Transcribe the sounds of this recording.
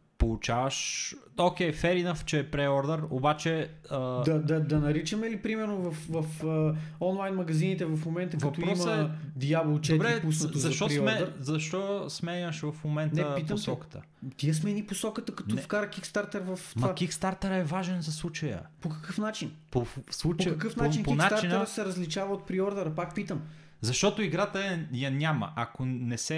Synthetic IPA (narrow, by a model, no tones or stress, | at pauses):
polˠut͡ʃavəʃok̟ɛjfɛɾinəft͡ʃɛːpɾɛɔɾd̪ɛɾobat͡ʃɛ | əd̪ɐd̪ɐd̪ɐnɐɾit͡ʃəmɛlipɾimɛɾnovɐfvɐfəɔnlˠajnmɐɡɐzinit̪ɛvɐfmomɛnt̪əvɐtpɾɔsmɛd̪iabɛlˠt͡ʃd̪b̪ɾɛpus̬nɐt̪zɐʃt̪ɔɾmɛɾzɐʃt̪ɔsmɛɲʲəʃvɐfmomɛntnɛəpit̪osɔkə̥t̪ə̰ | t̪iəsmɛniposɔkət̪əkɐt̪ɔfkaɾəkikst̪aɾt̪ɛɾvɐft̪mɐvak̟ikst̪aɾt̪ɛɾɛvaʒɛnzɐslˠut͡ʃəjə̰pokɐ̥kɤfnat͡ʃinposlˠut͡ʃokɐkɤfnat͡ʃinpoinat̪t͡ʃaɾinəɾəsɛɾɐzlit͡ʃavɐot̪̚pɾiɔɾd̪əɾəpak̚pit̪əm | zɐʃt̪ɔt̪oiɡɾat̪əɛjɐnʲamɐ̰ʔɐkonɛsɛ